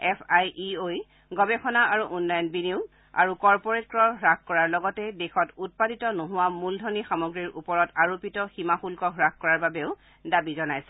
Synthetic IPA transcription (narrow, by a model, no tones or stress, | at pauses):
ɛpʰajioj | ɡɔbɛxʰɔnaaɹuʔunlajɔnbiniʊ | a̰ɹukɔɹpɔɹetkɹɔɦɹak̚kɔɹaɹlɔɡɔtɛdexɔtut̚paditɔnoɦʊwamuldʱɔnixamɔɡɹiɹʔupɔɹɔtaɹopitɔximaxulkɔɦɹak̚kɔɹaɹbabeʊ | dabizɔnajsɛ